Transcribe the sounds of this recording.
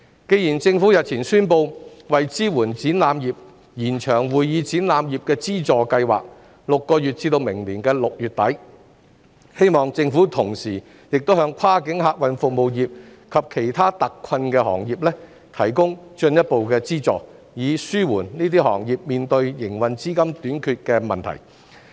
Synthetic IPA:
ke˧jiː˨˩nt͡sɪ˧ŋfu˨˥jɐ˨t̚t͡sʰiː˨˩nsyː˥npo˧wwɐ˨jt͡siː˥wuː˨˩nt͡siː˨˥nlaː˨˧mjiː˨p̚ | jiː˨˩nt͡ʃʰœː˨˩ŋwuː˨jjiː˨˧t͡siː˨˥nlaː˨˧mjiː˨p̚kɛː˧t͡siː˥t͡sɔː˨˧kɐ˧jwa̰ː˨k̚ | lʊ˨kːɔː˧jy˨t̚t͡siː˧t̪o˧wmɪ˨˩ŋliː˨˩nkɛː˧lʊ˨k̚jyː˨t̚t̪ɐ˨˥j | he˥jmɔː˨ŋt͡sɪ˧ŋfuː˨˥t̪ʰʊ˨˩ŋsiː˨˩ | jɪ˨k̚t̪o˥whɦœː˧ŋkʰaː˥kɪ˨˥ŋɦaː˧k̚wɐ˨˧nfʊ˨k̚mo˨wjiː˨p̚kʰɐ˨p̚kʰe˨˩jt̪ʰaː˥t̪ɐ˨kːʰɐ˧nkɛː˧ɦɔ̰ː˨˩ŋjiː˨˩p̚lɛː˥ | t̪ʰɐ˨˩jkʊ˥ŋt͡ʃɵ˧njɐ˥t̚po˨wkɛː˧t͡siː˥t͡sɔ̰ː˨ | jiː˨˧syː˥wuː˨˩nniː˥t̪iː˥ɦɔ̰ː˨˩ŋjiː˨˩p̚miː˨nt̪ɵ˧ɥjɪ˨˩ŋwɐ˨nt͡siː˥kɐ˥mt̪yː˨˥nkʰyː˧t̚kɛː˧mɐ˨˩nt̪ʰɐ̰˨˩j

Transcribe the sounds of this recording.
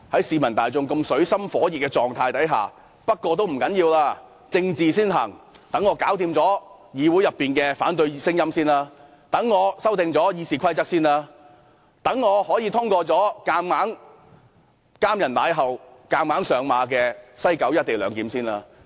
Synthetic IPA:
hɐ˨˥jsiː˨˧mɐ˨˩nt̪aː˨jt͡sʊ˧ŋkɐ˧msɵ˨˥ɥsɐ˥mfɔː˨˥jiː˨t̚kːɛː˧t͡sɔː˨ŋt̪ʰaː˧jt̪ɐ˨˥jɦa̰ː˨˩ | pɐ˥t̚kʷɔː˧t̪̬o˥wm̩˨˩kɐ˨˥njiː˧wlaː˧ | t͡sɪ˧ŋt͡siː˨siː˥nɦɐ̰˨˩ŋ | t̪ɐ˨˥ŋːɔː˨˧kaː˨˥wt̪iː˧mt͡sɔː˨˥ | jiː˨˧wuː˨˥jɐ˨pːiː˨nkɛː˧fa̰ː˨˥nt̪̬ɵ˧ɥsɪ˥ŋjɐ˥msiː˥nlaː˧ | t̪ɐ˨˥ŋːɔː˨˧sɐ˥wt̪ɪ˨ŋt͡sɔː˨˥jiː˧siː˨kʰɐ˥jt͡sɐ˥k̚siː˥nlaː˧ | t̪ɐ˨˥ŋːɔː˨˧hɔː˨˥jiː˨˧t̪ʰʊ˥ŋkɔː˧t͡sɔː˨˥kaː˧mmaː˨˥ŋ | kaː˥mjɐ˨˩nt̪a̰ː˨˧˥jɦɐ˨˩wkaː˧maː˨˥ŋsœː˨˧ŋmaː˨˧k̬ɛː˧sɐ˥jkɐ˨˥wjɐ˥t̚t̪e˨jlœː˨˧ŋk̪iː˨˥msiː˥nlaː˧

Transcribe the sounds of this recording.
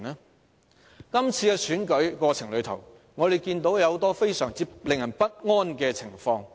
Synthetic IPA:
nɛ˥ | kɐ˥mt͡sʰiː˧kɛː˧syː˨˥nkɵ˨˥ɥkɔː˧t͡sʰɪ˨˩ŋlɵ˨˧ɥt̪ʰɐ̰˨˩w | ŋɔː˨˧ɾe˨jkiː˧nt̪o˨˥wjɐ˨˧wt̪ɔː˥fe˥jsœː˨˩ŋt͡siː˧˥plɪ˨ŋjɐ˨˩npɐ˥t̚ŋɔː˥nkɛː˧t͡sʰɪ˨˩ŋfɔː˧ŋ

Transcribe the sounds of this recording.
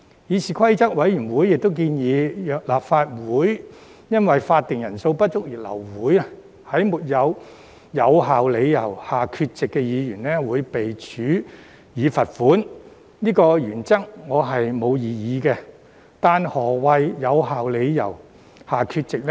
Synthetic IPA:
jiː˨˧sʰiː˨˩kʰɐ˥jt͡sɐ˥k̚wɐ˨˥jjyː˨˩nwuː˨˥jɪ˨k̚t̪o˥wk̬iː˧njiː˨˧˨laː˨pfaː˧t̚wuː˨˥j | jɐ˥nwɐ˨jfaː˧t̪̚ːɪ˨ŋjɐ˨˩nso˧wpɐ˥t̚t͡ʃʊ˥k̚jiː˨˩lɐ̰˨˩wwuː˨˥j | hɐ˨˥jmuː˨˩t̚jɐ˨˧w | jɐ˨˧wɦaː˨wle˨˧jjɐ˨˩whaː˨˩kʰy˧t̚t͡sɪ˨kːɛ˧jiː˨˧jyː˨˩nlɛː˥wuː˨˧jpe˨jt͡ʃʰyː˨˥ | jiː˨˧fɐ˨t̚fuː˨˥n | niː˥kɔː˧jyː˨˩nt͡sɐ˥k̚ŋɔː˨˧ɦɐ˨jmo˨˧wjiː˨˧jiː˨˧kɛ˧ | t̪aː˨nhɔː˨˩wɐ˧jjɐ˨˧wɦaː˨wle˨˧jjɐ̰˨˩w | haː˨kʰyː˧t̚t͡sɪ˨k̚lɛ˥

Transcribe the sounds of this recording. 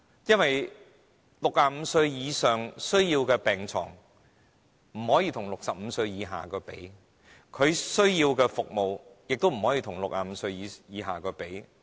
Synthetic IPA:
jɐ˥nwɐ˨j | lʊ˨k̚aː˧m̩ː˨˧sɵ˧ɥjiː˨˧sœː˨ŋsɵ˥ɥjiː˧wkɛː˧pɛː˨ŋt͡sʰɔ̰ː˨˩ŋ | m̩˨˩hɔː˨˥jiː˧t̪ʰʊ˨˩ŋlʊ˨k̚sɐ˨p̚m̩˨˧sɵ˧ɥjiː˨˧ɦa̰ː˨˩kɔː˧pe˨˥j | kʰɵ˨˧ɥsɵ˥ɥjiː˧wkɛː˧fʊ˨k̚mo˨wjɪ˨k̚t̪o˥wm̩˨˩hɔː˨˥jiː˧t̪ʰʊ˨˩ŋlʊ˨k̚aː˧m̩˨˧sɵ˧ɥjiː˨˧jiː˨˧ɦa̰ː˨kɔː˧pe˨˥j

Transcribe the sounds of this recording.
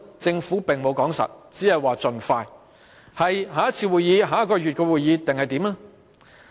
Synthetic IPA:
t͡sɪ˧ŋfuː˨˥pɪ˨ŋmo˨˧wkɔː˨˥ŋsɐ̰˨t̚t͡siː˨˥hɐ˨jwaː˨t͡sɵ˨nfaː˧j | hɐ˨jɦaː˨˥jɐ˥t̚t͡sʰiː˧wuː˨jːiː˨˧ɦaː˨˧jɐ˥t̚kɔː˧jɥy˨t̚kɔː˧wuː˨jiː˨˧t̪ɪ˨ŋhɐ˨jt̪i˨˥mnɛ˥

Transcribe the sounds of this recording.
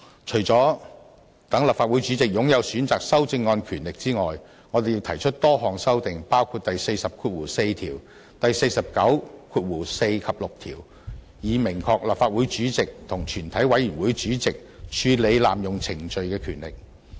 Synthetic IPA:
t͡ʃʰɵ˨˩jt͡sɔː˨˥ | t̪ɐ˨˥ŋlɐ˨˩p̚faː˧t̚wuː˨˥jt͡ʃyː˨˥t͡sɪ˨k̚jʊ˨˥ŋjɐ˨˧wsyː˨˥nt͡saː˨k̚sɐ˥wt͡sɪ˧ŋːɔː˧nkʰyː˨˩nlɪ˨k̚t͡siː˥ŋɔː˨˩j | ŋɔː˨˧d̪e˨ji˧wt̪ʰɐ˨˩jt͡ʃʰɵ˥t̚t̪ɔː˥ɦɔː˨˩ŋsɐ˥wt̪ɪ˨ŋpaː˥wkʰuː˧t̚t̪ɐ˨jse˧jsɐ˨p̚kʰuː˧t̚wuː˨˩se˧jt̪ʰiː˨˩w | t̪ɐ˨jse˧jsɐ˨p̚kɐ˨˥wkʰuː˧t̚wuː˨˩se˧jkʰɐ˨p̚lʊ˨k̚t̪ʰḭː˨˩w | jiː˨˧mɪ˨˩ŋkʰɔː˧k̚lɐ˨pfaː˧t̚wuː˨˥jt͡ʃyː˨˥t͡sɪ˨k̚t̪ʰʊ˨˩ŋt͡ʃʰyː˨˩nt̪ʰɐ˨˥jwɐ˨˥jyː˨˩nwuː˨˥jt͡ʃyː˨˥t͡sɪ˨k̚ | t͡ʃʰyː˧le˨˧jla̰ː˨mjʊ˨˩ŋt͡sʰɪ˨˩ŋt͡ʃɵ˨˧ɥkɛː˧kʰyː˨˩nlɪ̰˨k̚

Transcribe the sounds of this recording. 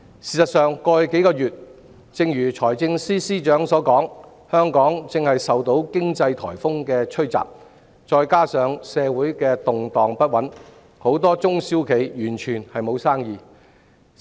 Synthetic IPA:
siː˨˩sɐ˨t̚sœː˨ŋkɔː˧ke˨˥jkɔː˧jyː˨t̚ | t͡sɪ˧ŋjyː˨˩t͡sʰɔː˨˩jt͡sɪ˧ŋsiː˥siː˥t͡ʃœː˨˥ŋsɔː˨˥kɔː˨˥ŋ | hœː˥ŋkɔː˨˥ŋt͡sɪ˨˧ŋhɐ˨jsɐ˨wt̪o˨˥wkɪ˥ŋt͡sɐ˧jt̪ʰɔː˨˩jfʊ˥ŋkɛː˧t͡ʃʰɵ˥ɥt͡sa̰ː˨p̚ | t͡ʃɔː˧jkaː˥sœː˨˧ŋsɛː˨˧wuː˨˥jkɛː˧t̪ʊ˨ŋt̪ɔː˨ŋpɐ˥t̚wɐ˨˥n | ho˨˥wt̪ɔː˥t͡sʊ˥ŋsiː˥wkʰe˨˧jjyː˨˩nt͡ʃʰyː˨˩nhɐ˨jmo˨˧wsaː˥ŋjiː˨˧

